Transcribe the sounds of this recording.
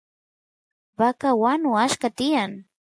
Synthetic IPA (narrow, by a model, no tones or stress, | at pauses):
bakawanʊaʃkat̪ɪjaŋ